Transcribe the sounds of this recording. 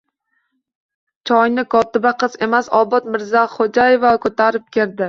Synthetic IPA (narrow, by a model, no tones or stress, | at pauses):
t͡ʃʰɒjnɪkʰɒt̪ʰɪbaqʰɨze̞masɒbɒt̪mɪɾzaχod͡ʒajevakʰɵt̪ʰaɾɪp̚kʲʰe̞ɾd̪ɪ